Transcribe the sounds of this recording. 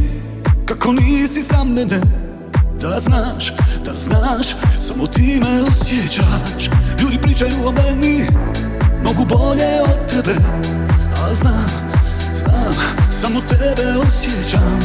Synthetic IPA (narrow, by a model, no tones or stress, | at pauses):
kakɔniːsisamːɛdɛ | d̪̥aznaːʃd̪̥aznaːʃsamɔt̪iːmɛɔsjɛt͡ʃat͡ʃʎudʲipɾiːt͡ʃajuːɔmɛɲi | mɔɡubɔʎɛɔt̪ːɛbɛ | azna | zasamɔt̪ɛbɛɔsjɛt͡ʃam